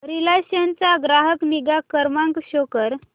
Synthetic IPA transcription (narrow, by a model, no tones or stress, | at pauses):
ɾilaɕjant͡saɡɾaɦəkniɡakəɾmãŋkɕokəɾ